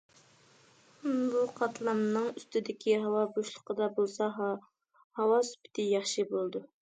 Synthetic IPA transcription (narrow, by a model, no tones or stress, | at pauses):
buqʰɑt̪ʰlˠɑmnɨŋyst̪ɪd̪ɪkʲʰiɦɑwɑboʃlˠə̥qʰəd̪ɑbolˠsɑɦ | hɑwɑsy̥pɪ̥t̪ʰɪjɑχʃibolˠd̪u